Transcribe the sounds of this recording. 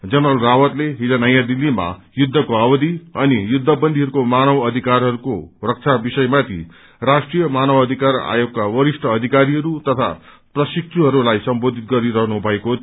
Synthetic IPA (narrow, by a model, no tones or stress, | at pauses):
d͡zʌnrʌlrawʌt̪leɦid͡zanʌjãd̪ilːima̰ | jud̪ʱːʌkoabʌd̪iʌnijud̪ʱːʌbʌnd̪ʱiɦʌɾukomanʌwʌd̪ʱikarɦʌɾukorʌk̚t͡sʰabisʌjmat̪ʰḭ | rasʈrijʌmanʌwʌd̪ʱikara̰joɡ̚kawʌɾisʈʰʌːd̪ʱikaɾiɦʌɾut̪ʌt̪ʰa̰ | prʌsik̚tʰuɦʌɾulajsʌmbod̪ʱit̪̚ɡʌɾiɾʌɦnubʱʌeko